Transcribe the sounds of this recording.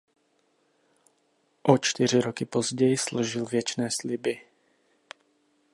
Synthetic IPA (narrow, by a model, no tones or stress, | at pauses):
ʔot͡ʃt̪ɪr̝ɪɾokɪpozɟɛjɪsloʒɪlvjɛt͡ʃnɛːslɪbɪ